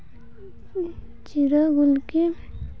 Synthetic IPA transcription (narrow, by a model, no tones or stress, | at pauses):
t͡ʃiɾaɡulke